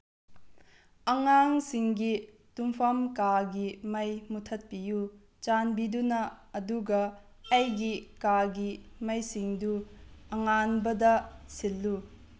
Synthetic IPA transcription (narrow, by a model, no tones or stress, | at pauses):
ɐŋaŋsiŋɡi | tumpʰamkaɡimɐjmutʰɐt̚piju | t͡ʃanbidunɐɐduɡɐ | ɐjɡikaɡimɐjsiŋduɐŋanbɐdɐsilːu